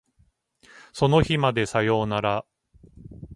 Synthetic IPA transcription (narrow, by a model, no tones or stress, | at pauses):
so̞no̞çimad̪e̞sajo̞ːnaɾa